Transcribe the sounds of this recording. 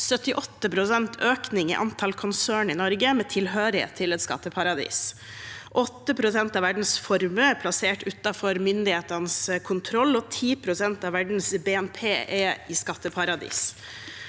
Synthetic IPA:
sœt̪ɪʔɔt̪ːəpʰɾʊsɛnt̪ʰøːknɪŋɪ̰ʔɑ̰nt̪ʰɑlkʰʊnsøːɳɪnɔɾɡəmɛt̪ʰɪlɦøːɾɪ̰t̪ʰːɪlɛt̪skɑ̰t̪ːəpʰɑɾɑd̪ḭːs | ʔɔt̪ːəpʰɾʊsɛnt̪ɑʋæɖɳ̩sfɔɾməɛpʰlɑseːʈʉt̪ɑfɔɾmʏnd̪ɪheːt̪ənəskʰʊnt̪ʰɾɔlːɔt̪ʰiːpʰɾʊsɛnt̪ɑʋæɖɳ̩sbeːɛnpʰeːɛɪskɑt̪ːəpʰɑɾɑd̪ḭːs

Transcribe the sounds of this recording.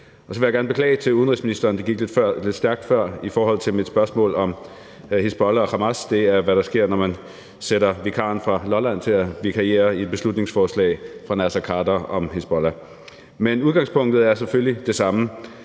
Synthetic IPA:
ʔɒ̽sɒʋe̝jaɡæɐnbe̝kʰlɛ̰ːɪt͡sʰe̝luðˠn̩ʁisminisd̥ɐːnd̥e̝ɡ̥iɡ̥le̝d̥fɶɐ̰le̝d̥sd̥æɐɡ̥̚d̥fɶɐ̰ifɒːɦɒ̽l̰t͡sʰe̝lmid̥sb̥ɶɐsmɔ̰̽ːlɒ̽m | hesb̥ɒlæɒ̽ʁɑ̈mæsd̥e̝æɐʋæɾɑ̈sɡ̥e̝ɐ̰nɒmæn | seɾɐʋikʰɑ̈ːnfʁɑ̈lɒ̽læn̰t͡sʰe̝læʋikʰɑe̝̰ːɐid̥̚b̥e̝slud̥ne̝ŋsfɒːslɛ̰ːɪfʁɑ̈næsækʰɑ̈ːdɐʔɒ̽mɦesb̥ɒlæ | menuðˠɡ̥ɑ̈ŋspʰɔ̽ŋ̰d̥ð̩ˠæɐseføllid̥e̝sɑ̈mə

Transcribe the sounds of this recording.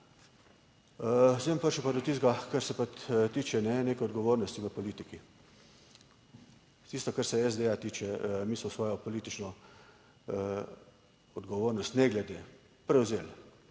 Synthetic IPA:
sempəɾʃɛpad̪ɔt̪iːzɡakaɾsɛpat̪t̪iːt͡ʃɛnɛneːkɛɔd̪ɡɔʋoːɾnɔst̪iʋɛpɔliːt̪iki | t̪ist̪ɔkaɾsɛɛzd̪eat̪iːt͡ʃɛmiːsmɔsʋɔːjɔpɔliːt̪it͡ʃnɔ | ɔd̪ɡɔʋoːɾnɔst̪nɛɡlɛd̪eː | pɾɛwzel

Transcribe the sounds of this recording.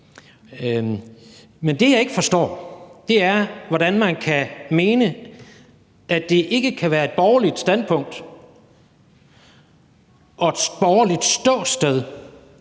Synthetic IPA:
mend̥e̝jɑ̈ɪe̝ɡ̥əfɒ̽sd̥ɒ̰ːd̥e̝æɐʋɒɾ̥ænmænkʰæme̝ːnə | ʔæd̥e̝ʔe̝ɡ̥əkʰæʋæːɐe̝d̥̚b̥ɒːɐlid̥sd̥ænpʰɔ̽ŋ̰d̥ | ʔɒ̽ed̥sb̥ɒːɐlid̥sd̥ɔ̰ːsd̥eð̞ˠ

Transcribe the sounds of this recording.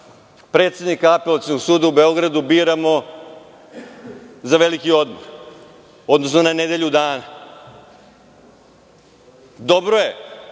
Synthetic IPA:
pɾe̞ːt̪sʲe̞d̪nikaapelat̪snoɡsuːd̪aube̞o̞ɡɾad̪ubiːɾamo | zaʋe̞likio̞d̪mo̰ɾ | o̞d̪no̞sno̞naned̪eʎud̪aːna | d̪o̞bɾoje

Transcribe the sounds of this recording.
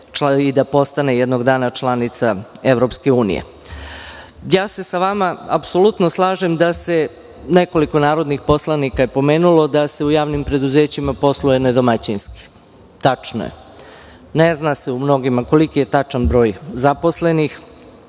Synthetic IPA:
id̪apo̞st̪ane̞jɛd̪no̞ɡd̪aːnat͡ʃlanit̪saeʋɾo̞pske̞uːnḭjḛ | jaːse̞saʋamaa̰pso̞lut̪noslˠaːʒe̞md̪ase̞ | ne̞ko̞liko̞naːɾo̞d̪nixpo̞slˠanikaje̞po̞me̞ːnulo̞d̪ase̞ujaːʋnimpɾe̞d̪uzeːt͡ɕimapo̞slujened̪o̞mat͡ɕinski̥ | t̪at͡ʂno̰jḛ | neznaseumno̞ɡimako̞likije̞t̪at͡ʂanbɾo̞ːjzapo̞sle̞nix

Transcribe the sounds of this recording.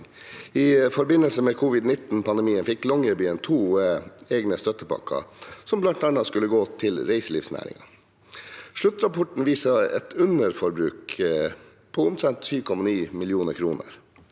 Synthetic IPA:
ɪfɔɾbɪnəlsəmeːkʰʊʋɪd̪nɪt̪n̩pʰɑnd̪ɛmiːənfɪklɔŋːəɪbyːənt̪ʰuːeːɡnəst̪œt̪əpʰɑ̰kʰːɑ̰sɔmblɑnt̪ɑnɑskʉlːəɡoːt̪ʰɪlɾeɪsəlḭːʋsnæ̰ːɾɪ̰ŋɑ | ʂɭʉt̪ːɾɑpʰɔʈɳ̩ʋiːsɑɛ̰t̪ʉnəɾfɔɾbɾʉːk | pʰɔʊmt̪ʰɾɛnt̪syːʋkʰɔmɑniːmɪljuːnəɾkʰɾuːnə̰ɾ

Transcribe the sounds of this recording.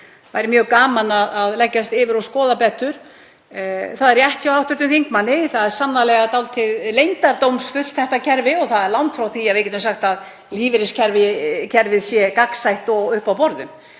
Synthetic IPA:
vajɾɪmjœːɣkaːmanaðaðlɛcːast̪ɪvɪɾɔskɔːðapɛt̪ʏɾ̥ | θaðɛɾrjɛht̪çawawht̪ʏɾt̪ʏmθiŋkmanːɪθaðɛɾ̥samnalɛɣat̪alt̪ʰɪðlejnt̪aɾt̪owmsfʏl̥t̪θɛht̪acʰɛɾvɪɔθaðɛɾlawnt̪fɾawθiavejcɪt̪ʏmsaxt̪að | liːvɪɾɪscʰɛɾvɪcʰɛɾvɪðsjɛkaksajht̪ɔɣʏhpawpɔɾðʏm

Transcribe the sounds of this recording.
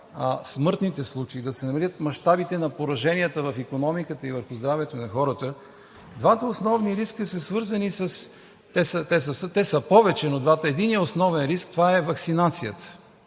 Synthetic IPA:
smɤɾt̪nit̪ɛslˠut͡ʃeid̪ɐsɛnɐmɐlʲət̪mɐʃt̪abit̪ɛnɐpoɾɐʒɛniət̪əvɐfikonɔmikət̪əivəɾxʊzd̪ɾavɛt̪onɐxɔɾət̪ə | d̪vat̪əosnɔvniɾiskəsɐsvɤɾzənisɐs | t̪ɛsət̪ɛsəfsət̪ɛsəpɔvɛt͡ʃɛnod̪vat̪əɛd̪inijəosnɔvɛnɾisk̚t̪ovaɛvɐksinat̪sijət̪ə̥

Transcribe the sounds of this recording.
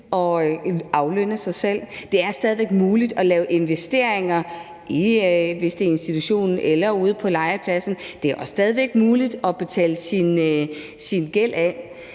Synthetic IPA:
ʔɒ̽ɑ̈ʊlønəsɑ̈ɪsel̰d̥e̝æɐsd̥ɛð̞ˠiʋeɡ̥muːlid̥ɒ̽lɛːʊʔe̝nʋesd̥e̝ɐ̰eŋɐ | ʔiʋe̝sd̥e̝ɐe̝nsd̥it͡sʰuɕo̝̰ːnn̩elɐuːð̞ˠpʰɒ̽lɑ̈ɪɐpʰlæsn̩d̥e̝æɐɒ̽sːd̥ɛːð̞ˠiʋeɡ̥muːlid̥ɒ̽b̥e̝t͡sʰɛ̰ːləsin | sinɡ̥el̰æ

